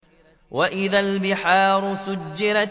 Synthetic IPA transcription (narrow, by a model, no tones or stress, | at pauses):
waʔɪðalbɪħɑːɾʊsʊd͡ʒːɪɾa